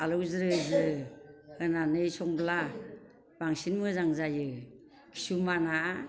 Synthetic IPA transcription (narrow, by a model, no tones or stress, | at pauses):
alɯwzɾɯzɾɯhɯnanɯjsɔŋbla | baŋsinmɯzaŋzajɯ | kʰi̥sumana